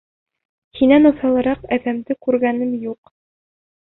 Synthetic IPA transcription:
hinænŏθɑlˠɤ̆ɾɑqæðæmd̪ɘkʉɾɡænɘmjuq

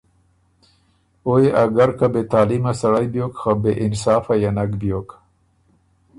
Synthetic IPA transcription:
ojeʔaɡaɾkabet̪aːlimasaɽajbjoːkxabeʔɪnsɑːfajanakbjok

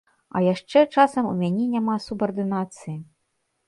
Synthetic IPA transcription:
ɐ̰jaʂt͡ʂɛt͡ʂasɐmṵmʲanʲɛnʲamasubɐrd̪ɨnat̪sɨji

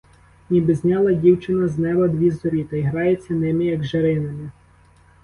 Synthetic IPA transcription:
nʲibɪzʲnʲɑlˠɐdʲiwt͡ʃɪnɐznɛbɐd̪ʋʲizɔɾʲit̪ɐiɦɾɑjet͡sʲːɐnɪmɪjɐɡʒeɾɪnɐmɪ

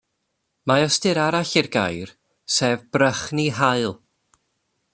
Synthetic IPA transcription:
majɔstɨɾaɾaɬɪrɡa̰jr | seːvbrəχniɦaɨlˠ

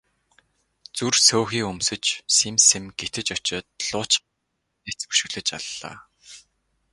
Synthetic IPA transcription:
t͡sursoːxiːkɵmsɵ̆t͡ɕsemsemɡ̥et̪ʰɘ̆t͡ɕɔt͡ɕɔːt̪ɮ̥ʊːt͡ɕ | et͡spu̥ʃɵ̆ɣɮɘ̆t͡ɕa̰ɮːa̰ː

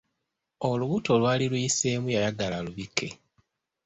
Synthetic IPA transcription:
oluβuto̞lwaːlilujise̞ːmujajaɡalaluβikʰːe̞̰

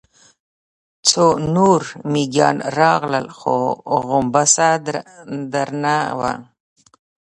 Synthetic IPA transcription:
t͡sʰonuɾmiɡjɑ̰ːnɾɑɣləlxo̰ɣʊmbasad̪ɾd̪aɾnawa̰

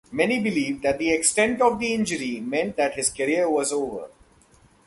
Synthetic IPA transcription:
mɛnibɪliːʋɖd̪æʈ̚d̪ieksʈɛ̃ɳʈɔʋd̪iɪ̃nd͡ʒəɾimɛ̃ɳʈ̚d̪æʈhɪzkəɾiəɾʋɔzoːʋə̰ɾ

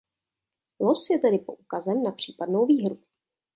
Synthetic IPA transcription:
losjɛt̪ɛdɪpo̞ʔukazɛmnapr̝̥iːpadnowviːɦɾu

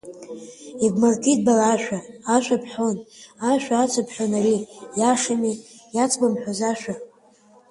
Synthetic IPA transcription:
ibmartʰid̚balaːʃʷᶣaaʃʷᶣapʰħʷonaʃᶣʷaat͡sʷʰapʰħʷᶣonaɾijaʂami | jat͡sʰbamħʷᶣazaʃʷᶣa

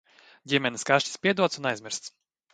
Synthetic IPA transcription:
ɟʲimʲɛnʲiskaʃcispʲiɛd̪uɔt̪sunajzmʲɪɾst̪s

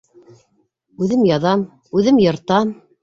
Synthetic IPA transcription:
ʉðɘmjɑðɑm | ʉðɘmjɤ̆ɾt̪ɑm

